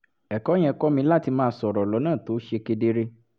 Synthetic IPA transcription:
ɛ˨kɔ̃˨˦ɛ̃˦˧kɔ˦mĩ˧˦la˦˨ti˧mãː˦˧˦sɔ˨ɾɔ˨lɔ˨˦nãː˦˨to˨˦ʃe˧ke˧de˦ɾe˦

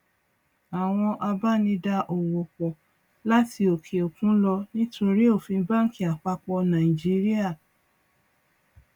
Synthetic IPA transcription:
a˨w̃ɔ̃˧ʔa˧ba˦nĩ˧da˧ʔo˨wo˨k͡pɔ˨ | la˦ti˧o˨kʰe˨o˨kũ˦lɔ˧nĩ˦to˧ɾi˦o˦˨fĩ˧˦ba˦ŋ̩˦ki˦˨a˨k͡pa˧k͡pɔ˧nã˨i˨d͡ʒi˦ɾi˦a˦˨

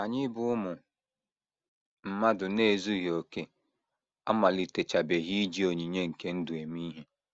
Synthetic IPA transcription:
a˨ɲɪ˦bʊ˦ʊ˦mʊ˨ | m̩˨ma˦dʊ˨ne˦˨zu˦ɦi˨o˨ke˦ | a̰˦ma˨li˨te˨t͡ʃa˨be˨ɦi˦d͡ʒi˦o˨ɲi˨ɲe˦ŋ̩˨ke˦n̩˦dʊ˨e˨mi˦ɦe˦

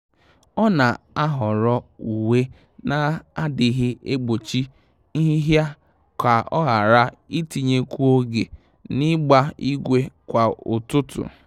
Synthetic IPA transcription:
ɔ˦na˨ | a˦ɦɔ˨ɾɔ˦u˨we˦ | na˨a˦dɪ˨ɦɪ˦e˦ɡ͡bo˨t͡ʃi˦ | i˦ɦi˦ɦja˦ | ka˨ɔ̰˦ɣa˨ɾa˦i˦ti˨ɲe˦kʷu˦o˦ɡḛ˨ | nɪ˦ɡ͡ba˦i˦ɡʷe˦kʷa˨ʊ˨tʊ˦tʊ̰˨

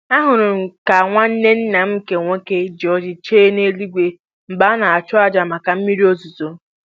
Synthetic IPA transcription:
a˦ɦʊ˨ɾʊ˨ŋ̩˨ka˨ŋʷa˦n̩˦ne˦n̩˦na˨m̩˦ke˨ŋʷe˦ke˦d͡ʒɔ˦d͡ʒɪ˨t͡ʃeː˦ne˦li˦ɡʷe˦ | m̩˨ba˦na˨a˨t͡ʃʊ˦a˦d͡ʒa˨ma˨ka˨m̩˦mi˦ɾi˦o˦zu˨zo˨

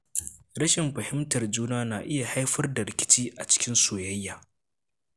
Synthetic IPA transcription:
ɽɐ˦ʃɪ˨mɸɐ˨hɪ˦mtɐ˨rd͡ʒuː˦naː˦naː˨ʔɪ˦ja˨ha˦jɸɐ˦rda˨ɾɪ˨kʲɪ̥˦t͡ʃiː˦ʔa˨t͡ʃɪ̥˦kʲɪ˦nsoː˨jɐ˦jːaː˨

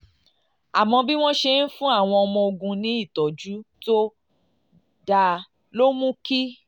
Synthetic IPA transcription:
a˨mɔ̃˧bi˦w̃ɔ̃˦ʃe˧n̩˦fũ˦a˦˨w̃ɔ̃˧ɔ˧mɔ̃˧o˧ɡũ˧nĩ˨˦i˦˨tɔ˨d͡ʒu˨˦to˦ | da˨˧ | lo˦mũ˦ki˦

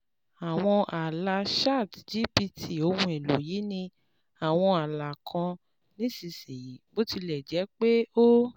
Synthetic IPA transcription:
a˨w̃ɔ̃˧ʔa˨la˧ʃa˦˨td͡ʒi˦pi˧tʰi˨o˧˦hũ˧˦ɛ˨lo˨˦ji˨˦nĩ˧ | a˨w̃ɔ̃˧a˨la˨kʰɔ̃˧ | nĩ˦si˧˨si˨ji˨˦bo˦ti˧lɛ˨d͡ʒɛ˨˦k͡pe˦o˦

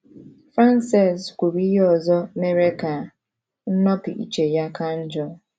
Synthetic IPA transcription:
fɾa˦nse˨skʷu˨ɾi˦ɦe˦ɔ˨zɔ˦me˦ɾe˦ka˨ | n̩˦nɔ˦pi˨ʔḭ˦t͡ʃe˨ja˦ka˦n̩˦d͡ʒɔ˦

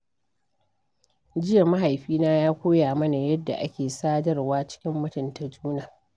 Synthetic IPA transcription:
d͡ʒɪ˦jɐ˨ma˦ɦa˨jɸiː˦naː˦jaː˦kʷoː˦jaː˨mɐ˦na˨jɐ˦dːa̰˨ʔa̰˦kʲeː˨saː˦dɐ˦rwaː˦t͡ʃɪ̥˦kʲɪ˦mːɐ˦tɪ˨ntɐ˨d͡ʒuː˦naː˨

